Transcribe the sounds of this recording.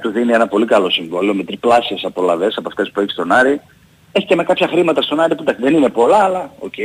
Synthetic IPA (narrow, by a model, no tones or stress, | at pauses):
t̪uðinie̞nɐpo̞likɐlo̞siɱvoliome̞t̪ɾiplɐsiesɐpo̞lɐve̞sɐpoɐft̪e̞spueçi̥st̪o̞nɐɾi | eçi̥ceme̞kɐpçɐxɾimɐt̪ɐst̪o̞nɐɾipud̪ɐksiðe̞nine̞po̞lɐːlɐo̞̰cei